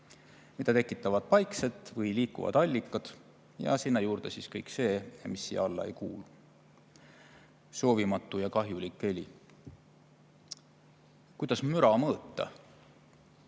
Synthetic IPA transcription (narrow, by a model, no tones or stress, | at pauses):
mid̪ɑt̪e̞kːˑit̪ːˑɑvɑd̪̥̚pɑjkse̞t̪ːˑvɤjliːkːˑṵvɑ̰d̪̥ɑlʲːikːˑɑd̪̥ | jɑ̰sinːɑjuːɾd̪̥e̞siskɤjkse̞ːmisːḭːɑlːɑ̰ḛjkuːlu | so̞ːvimɑt̪ːˑujɑkɑɦjulikːˑe̞lʲḭ | kujd̪̥ɑsmyɾɑmɤːt̪ˑːɑ̰